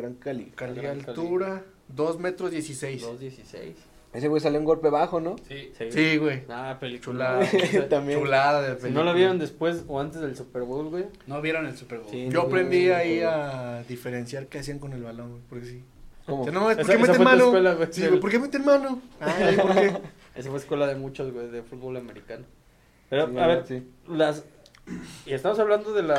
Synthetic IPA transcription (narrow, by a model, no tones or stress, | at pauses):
ɾaŋkalḭkalialt̪uɾa | ðo̞zmet̪ɾozðjesisejsesisḛjs | esewejs̬alouŋɡo̞lpeβaxo̞noisiɣwejapeit͡ʃulaðat̪amt͡ʃulaðaðepenolaβjeɾond̪espwe̞soant̪ezðelsupeɾβolɣwejnoβjeɾonelsupeɾβoijoapɾe̞nd̪iaiaðifeɾensjaɾkeasiaŋko̞ne̞lβalo̞ŋwejpo̞ɾkesi | koanomaespeoɾkemeseemãnokwelaɣesiwep̬okemet̪enmanoaipoɾke | es̬afweːskwe̞laðemut͡ʃozɣwejðefut̪̚βolameɾikano | peɾoaβeɾs | las | iest̪amosaβland̪oðela